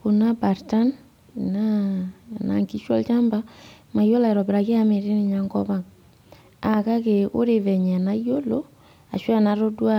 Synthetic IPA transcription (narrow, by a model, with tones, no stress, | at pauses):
ko˨na˦ba˨ɾta˦n˨ | na˦˨na̰˨ŋki˦ʃwɔ̰˦lt͡ʃa˦mba˦ma˨jo˦la˨ɾɔ˨bɾa˨ke˦a˦me˨ɾe˦n˦˨ɲa˨˦ŋɡɔ˦βa˦˨ŋ | a˨ka˦ke˨o̰˦ɾe˦˨vɛ˨ɲɛ˨na˦i˦jo˦lo˦ | a̰˨ʃwa˦˨na˨˦ɾo˦dwa˦